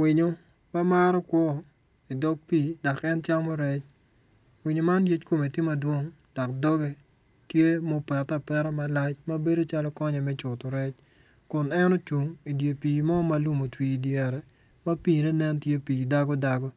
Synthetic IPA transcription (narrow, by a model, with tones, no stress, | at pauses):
wɪ˨ɲo˨ | ma˦ma˦ɾɔ˦kwɔ˦ | i˨dɔ˦ɡ̚piː˦˨da˨kɛ˦nt͡ʃa˦ŋmɔ˦ɾɛ˦t͡ʃ | wɪ˨ɲo˨ma˦nje˦t͡ʃko˨me˨ti˦ma˦dwo˦ŋd̥a˨kdɔ˦ɡe˦ | tje˦mo˦pɛ˨ta˨pɛ˦ɾɛ˦ma˦la˦t͡ʃma˦be˦do˦t͡ʃa˦lɔ˦kɔ˦ɲɛ˨mɛ˦t͡ʃʊ˨tɔ˨ɾɛ˦t͡ʃ | kʊ˨nɛ˦nɔ˦t͡ʃu˨ŋi˨dje˨piː˨mɔ˦ma˨lu˦mo˨twiː˦djɛ˨ɾɛ˨ | ma˦piː˦˨nɛ˦nɛ˦ntje˦piː˨da˦ɡɔ˦da˨ɡɔ˦